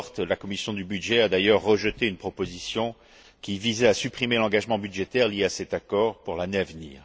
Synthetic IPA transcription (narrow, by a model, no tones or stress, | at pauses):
ʁt̪lakɔmisjɔ̃d̪ybyd̪ʒɛad̪ajœʁːəʒət̪eynpχɔpozisjɔ̃ | kʲivizɛasypχimelɑ̃ɡaʒmɑ̃byd̪ʒet̪ɛʁljeasɛt̪akɔʁpuʁlaneavnḭːʁ